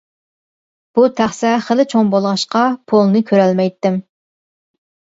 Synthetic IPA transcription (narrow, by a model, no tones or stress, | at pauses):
b̥ut̪ʰæχsɛχəlɪt͡ʃʰoŋbolˠʁɑʃqɑpʰolˠnɨkʲʰøɾɛlmɛjt̪ːɪm